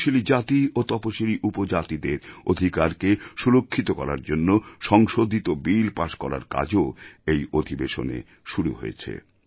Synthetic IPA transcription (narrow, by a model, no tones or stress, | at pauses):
ʃilid͡ʑat̪iot̪ɔpoʃiliʔupod͡ʑat̪id̪eɾod̪ʱikaɾkeʃulokʰːit̪okɔɾa̰ɾd͡ʑonːoʃɔŋʃod̪ʱit̪obilpaʃkɔ̰ɾa̰ɾka̰d͡ʑoejod̪ʱibeʃonḛ | ʃuɾṵɦo̰jḛt͡ɕʰḛ